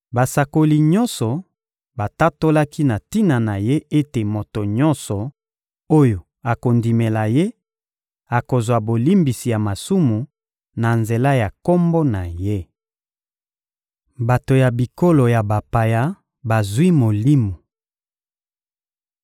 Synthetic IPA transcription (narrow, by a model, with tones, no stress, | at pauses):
ba˨sa˨ko˨li˨ɲɔ˦nsɔ˨ | ba˨ta˦to˦la˦ki˦na˨ti˦na˨na˨je˦e˦te˨mo˨to˨ɲɔ̃˦nsɔ˨ | o˦jo˨ | a˨ko˨ndi˨me˨la˨je˦ | a˨ko˨zwa˨bo˨li˦mbi˨si˨ja˨ma˨su˦mu˨ | na˨nze˨la˦ja˨ko˦mbo˦na˨je˦ | ba˨to˨ja˨bi˨ko˦lo˨ja˨ba˨pa˨ja˦ | ba˨zwi˦mo˨li˦mu˨